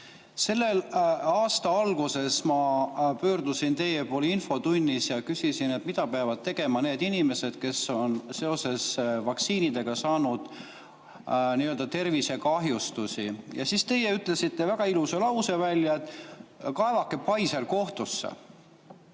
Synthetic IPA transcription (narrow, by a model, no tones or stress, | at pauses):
se̞lːe̞lɑːst̪ɑɑlɡ̥use̞smɑpø̞ːrd̪̥usint̪e̞je̞poːlinfo̞t̪unʲːisjɑkysisinet̪mit̪ɑpeɑvɑd̪̥̚t̪e̞ɡ̥e̞mɑne̞ːd̪inʲime̞se̞d̪̥̚ke̞sːo̞nse̞o̞se̞svɑksiːnid̪̥e̞ɡ̥ɑsɑːnud̪̥ | niøld̪ɑt̪e̞rvise̞kɑɦjust̪usijɑ̰sist̪e̞je̞yt̪ˑle̞sit̪ːe̞væɡ̥ɑiluse̞lɑwse̞vælʲːjɑet̪ːˑkɑe̞vɑkːˑe̞pɑjselko̞ht̪usːḛ